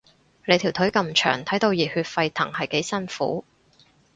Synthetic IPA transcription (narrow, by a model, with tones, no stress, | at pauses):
le˨˧jt̪ʰi˨˩wt̪ʰɵ˨˥ɥkɐ˧mt͡ʃʰœ̰ː˨˩ŋt̪ʰɐ˨˥jt̪o˧wjiː˨˩hyː˧t̚fɐ˧jt̪ʰɐ̰˨˩ŋhɐ˨jke˨˥jsɐ˥nfṵː˨˥